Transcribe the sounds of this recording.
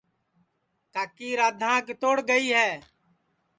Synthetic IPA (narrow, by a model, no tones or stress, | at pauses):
kaːkiːɾaːd̪ʱãːket̪oːɽɡəiːɦɛː